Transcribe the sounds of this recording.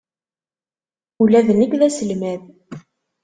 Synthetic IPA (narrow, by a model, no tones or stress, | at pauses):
ulæðənikðæsəlmæð